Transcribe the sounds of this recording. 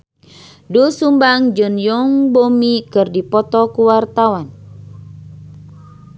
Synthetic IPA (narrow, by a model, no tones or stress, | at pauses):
dusumbaŋd͡ʒɨnjɔŋbomikɨrdipɔt̪ɔkuwart̪awan